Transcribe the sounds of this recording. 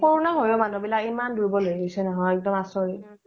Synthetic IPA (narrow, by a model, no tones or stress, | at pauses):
pɔɹɔnaɦojomanubilakimanduɹibɔlojɡisɛnɔɦɔjɛk̚dɔmasɔɹi